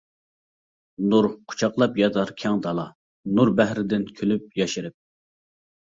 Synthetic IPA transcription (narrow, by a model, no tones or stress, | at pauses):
nuɾqʰʊ̥t͡ʃʰɑqlˠɑpjɑd̪ɑɾkʲʰɛŋd̪ɑlˠɑ̰ | nuɾbæhɾɪd̪ɪnkʲʰølyp̚jɑʃɪɾɨp̚